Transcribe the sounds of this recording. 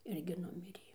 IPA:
ˈɪrʲɡʲɪ ˈnʊmʲɪrʲeː

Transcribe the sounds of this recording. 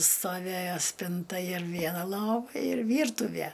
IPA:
stoːˈʋʲeːjoː ˈsʲpʲɪntɐ ɪr ˈʋʲiɛnɐ ˈlˠoːʋɐ ɪr ˈʋʲiːrtʊʋʲæ

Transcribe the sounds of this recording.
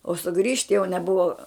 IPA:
oː sʊˈɡrʲiːʃt jɛʊ nʲɛˈbʊʋɐ

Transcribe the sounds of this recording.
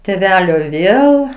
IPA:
tʲeːˈʋʲæːlʲoː ˈʋʲeːlˠ

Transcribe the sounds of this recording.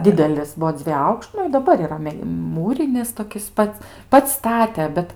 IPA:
ˈdʲɪdʲɛlʲɪs ˈbuɔ ˈd͡zʲʋʲiɛj ˈɐʊkʃt ˈnʊ ɪ dɐˈbɐr iːˈrɐ ˈmʲɛ ˈmuːrʲɪnʲɪs toːˈkʲɪs ˈpɐts ˈpɐts ˈstɑːtʲɛ ˈbʲɛt

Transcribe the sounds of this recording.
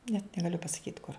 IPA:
nʲɛt nʲɛɡɐˈlʲʊ pɐsɐˈkʲiːt kʊr

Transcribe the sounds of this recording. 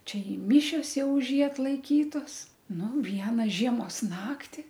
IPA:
ˈt͡ʃʲɛ ɪ ˈmʲiːʃʲoːs ˈjɛʊ ʊʃ ˈjiː ɐtlˠɐɪˈkʲiːtoːs ˈnʊ ˈʋʲiɛnɐ ˈʒʲiɛmoːs ˈnɑːktʲɪ

